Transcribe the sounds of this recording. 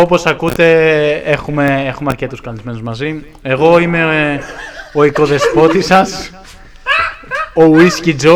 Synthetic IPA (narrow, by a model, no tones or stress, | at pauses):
o̞po̞sɐkut̪e̞exume̞exumeɐɾce̞t̪uskɐlizme̞nuzmɐzi | e̞ɣo̞ime̞ | o̞iko̞ðe̞spo̞t̪isɐs | owiscid͡zo